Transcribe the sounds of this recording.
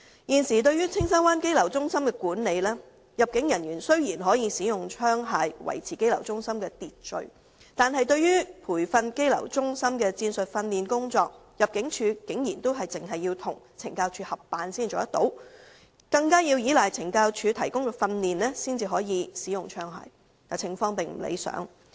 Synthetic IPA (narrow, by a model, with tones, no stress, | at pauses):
jiː˨nsiː˨˩t̪ɵ˧ɥyː˥t͡sʰɪ˥ŋsɐː˥nwaː˥nke˥jlɐ˨˩wt͡sʊ˥ŋsɐ˥mkɛː˧kuː˨˥nne˨˧jlɛː˥ | jɐ˨p̚kɪ˨˥ŋjɐ˨˩njyː˨˩nsɵ˥ɥjiː˨˩nɦɔː˨˥jiː˧siː˨˥jʊ˨ŋt͡ʃʰœː˥ŋɦaː˨˧jwɐ̰˨˩jt͡sʰiː˨˩ke˥jlɐ˨˩wt͡sʊ˥ŋsɐ˥mkɛː˧t̪iː˨t̚t͡ʃɵ̰˨ɥ | t̪aː˨nɦɐ˨jt̪ɵ˧ɥjyː˥pʰuː˨˩jfɐ˧nke˥jlɐ̰˨˩wt͡sʊ˥ŋsɐ˥mkɛː˧t͡siː˧nsɵ˨t̚fɐ˧nːiː˨nkʊ˥ŋt͡sɔː˧k̚jɐ˨p̚kɪ˨˥ŋt͡ʃʰyː˨˧kɪ˨˥ŋjiː˨˩nt̪o˥wɦɐ˨jt͡sɪ˨ŋɦɐ˨jːi˧wt̪ʰʊ˨˩ŋt͡sʰɪ˨˩ŋkaː˧wt͡ʃʰyː˨˧hɐ˨p̚ːaː˨nsiː˥nt͡ʃoː˨˧jɐ˥t̪o˨˥w | kɐ˧ŋkaː˥jiː˧wjiː˨˥la˨jt͡sʰɪ˨˩ŋkaː˧wt͡ʃʰyː˧t̪ʰɐ˨˩jkʊ˥ŋkɛː˧fɐ˧nliː˨nlɛː˥siː˥nt͡siː˨ɦɔː˨˥jiː˨˧siː˨˥jʊ˨ŋt͡ʃʰœː˥ŋɦa̰ː˧j | ka˨˧t͡sʰɪ˨˩ŋfɔː˧ŋpɪ˨ŋm̩˨˩lḛ˨˧jsœ̰ː˨˥ŋ